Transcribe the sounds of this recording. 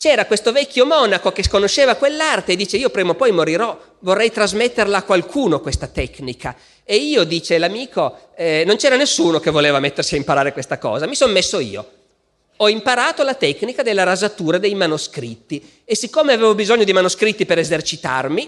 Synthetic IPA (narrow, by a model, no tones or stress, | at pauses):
t͡ʃɛːɾakwest̪ovɛkʲːjomɔnakokeskonoʃeːvakwelːart̪eːd̪ːiːt͡ʃeiːopɾɛːmopɔjmoɾiɾɔ | vorːɛjt̪ɾazmet̪ːerlaːkːwalkʰuːnokwest̪at̪ɛknika | eiːod̪iːt͡ʃelamiːkoɛnont͡ʃɛːɾanesːuːnokevːoleːvamet̪ːersiaimpaɾaːɾekwest̪akɔ̰ːzamisonmesːoiːo̰ | ɔimpaɾaːt̪olat̪ɛknikad̪elːaɾazat̪uːɾad̪ejmanoskɾit̪ːi | esikːoːmeaveːvobizoɲːod̪imanoskɾit̪ːipeɾezert͡ʃit̪a̰rmi